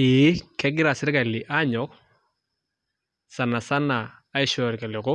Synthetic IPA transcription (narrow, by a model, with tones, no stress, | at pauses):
i˨˦kɛ˦ɡɪ˦ɾa˨sɪ˦ɾka˨lɪ˨ʔa˦ɲɔ˦k̚ | sa˨na˨sa˦naː˨˦ | i˦ʃɔ˨ɾka˨lɪ˨kʊ˦